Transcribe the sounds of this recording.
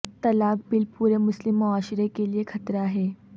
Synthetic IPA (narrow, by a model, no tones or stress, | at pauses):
t̪ɐlaːk̚bilpuːɾemʊslɪmːʊaːʃɾekeliekʰɐt̪ɾaɦɛː